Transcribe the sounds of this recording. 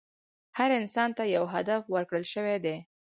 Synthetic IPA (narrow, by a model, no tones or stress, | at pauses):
haɾɪnsɑnt̪ajawɦad̪afwəɾkɽəlʃəwed̪e